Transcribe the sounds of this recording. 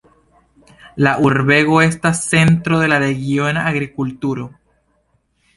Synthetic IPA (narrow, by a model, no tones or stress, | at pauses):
laʔuɾbe̞ɣo̞e̞stasːe̞ntɾo̞ðe̞laɾe̞ɡio̞naaɡɾikultuɾo